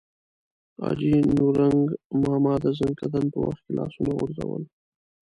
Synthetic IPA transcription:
ɑ̰d͡ʒinuɾaŋɡmɑːmɑd̪azənkad̪anpəwa̰xt̪̚kelʔɑːsunaɣʊɾzawəl

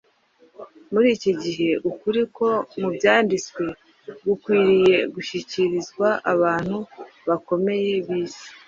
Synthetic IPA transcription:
muɾiːciɟiɦe̞ʔukuɾiko̞mubjaːndit͡swe̞ | ɡukwiːɾije̞ɡuʃiciɾizɡwaʔaβaːn̥hu | βako̞me̞je̞βiːsi̥

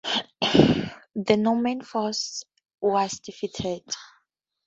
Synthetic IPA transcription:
ðənɔmɛ̃nfɔs | wazdifitʰɛd̥

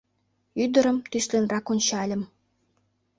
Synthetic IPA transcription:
yd̪ə̆ɾə̆mt̪yʃlenrɑkunʲt͡ɕɑlʲə̆m

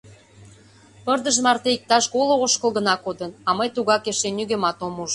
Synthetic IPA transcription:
pərd̪ə̆ʒmɑrt̪eik̚t̪ɑʃɣolooʃkə̆lɣənɑkod̪ənɑməjt̪uɣɑkeʃenːyɣemɑt̪omuʒ

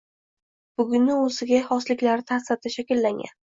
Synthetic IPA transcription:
b̥ʊɡʲʊnːɪozɪɡʲahɒslɪkʲlaɾɪt̪ʰast̪ʰaʃakʲɪlːaŋɡʲa̰n

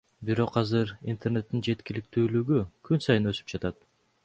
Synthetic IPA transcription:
biɾo̞qɑzɯɾḭnt̪ʰe̞rne̞t̪ːind͡ʒe̞t̪kilik̚t̪yːlyɡykʰynsɑjɯnø̞sy̥p̚d͡ʒɑt̪ɑt̪

